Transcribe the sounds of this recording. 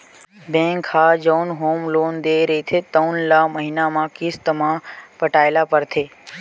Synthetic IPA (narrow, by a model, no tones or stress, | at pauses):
bɛ̃ŋkhad͡ʒəwnɦomlond̪eɾeit̪ʰet̪əwnlaməɦinamãkist̪əmãpəʈaelapəɾt̪ʰe